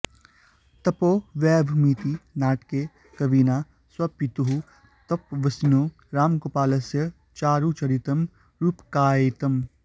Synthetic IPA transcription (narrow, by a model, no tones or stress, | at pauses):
t̪ɐpoːʋɛːbʱmiːt̪inaːʈke | kɐbiːnaː | swɐpit̪uɦu | t̪ɐpʋɐsnjoː | ɾaːmkopaːlɐsjɐ | t͡ʃaːɾut͡ʃɐɾit̪ɐm | ɾupkaːjet̪ɐm